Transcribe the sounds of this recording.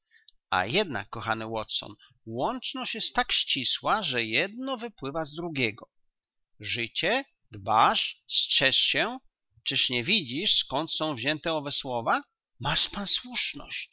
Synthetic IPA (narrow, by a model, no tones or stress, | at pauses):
a̰jɛd̪na̰kːɔxanɘwɔt̪sɔ̰n | wɔnt͡ʂnɔɕt͡ɕjɛst̪ːakɕt͡ɕiswaʐɛjɛd̪nɔvɘpwɘvazd̪ɾuɡʲɛɡɔ | ʐɘt͡ɕɛ | d̪baʂstʂɛʂɕɛ | t͡ʂɘʂɲɛvʲid͡ʑiʂskɔnt̪sɔ̃w̃vʑɛnt̪ɛɔvɛswɔva | maʂpanswuʂnɔ̰ɕt͡ɕ